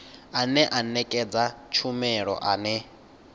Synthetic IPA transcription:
anɛʔanɛkʼɛd͡zat͡ʃʰumɛɺɔ̰ʔanɛ

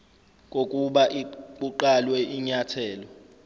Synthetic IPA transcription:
kʼokʼuɓaʔikʼuǃalwɛiɲatʰɛːlɔ

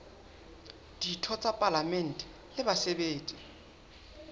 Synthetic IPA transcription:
d̥itʰɔt͡sʼapʼalamɛn̩tʼɛ̥ | lɪbasɛbeːtʼi

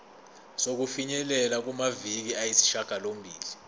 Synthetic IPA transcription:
sok̬ufiɲɛlɛlak̬umavik̬iajisi̥ʃaɡ̥ʱalombʱiːli

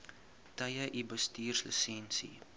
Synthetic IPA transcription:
tɐjəʔibəstiːrsləsɛnsḭ

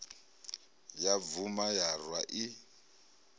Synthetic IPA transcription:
javumajarwaʔi

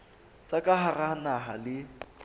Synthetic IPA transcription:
t͡sʼakʼaɦaranaɦalɪ

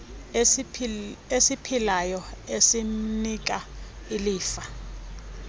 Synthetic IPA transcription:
esipʰilajɔesinik̬ʼailiːfa

